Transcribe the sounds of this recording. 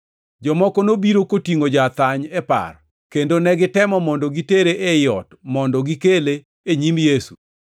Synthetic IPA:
d͡ʒɔmɔkɔnobiɾokotiŋod͡ʒat̪aɲɛpa̰r | kendonɛɡɪtɛmɔmɔndɔɡiteɾeʔejɔtmɔndɔɡikeleː | ɲimjesu

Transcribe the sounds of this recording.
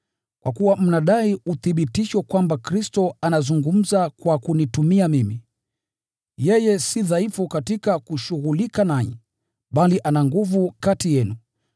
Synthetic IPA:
kwa̰kuwam̩naɗaiuθiɓitiʃwɛkwambakɾistɔanazuŋɡum̩zakwakunitumiamimi | jɛjɛsiðaifukatikakuʃuɣulikanaɲɛ̰ | ɓaliʔanaŋɡuvukatijɛnu

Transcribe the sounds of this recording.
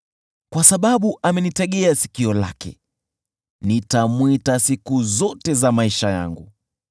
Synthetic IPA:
kwasaɓaɓuʔamɛnitɛɠɛasi̥kiɔla̰kɛ̰ | nitamwitasikuzɔtɛzamaiʃaja̰ŋɡu

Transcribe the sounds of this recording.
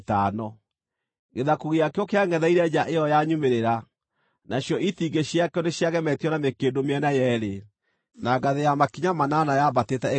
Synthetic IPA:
tanɔ | ɣeðakuɣiakeɔkeaŋɡɛðaiɾɛd͡ʒaʔeɔjaɲumeɾeɾa | naɕjɔʔitiɡeɕjakeɔneɕjaɣɛmɛtiɔnamekedomeɛnajɛɾe | naɡaðejamakiɲamananajabatetɛ

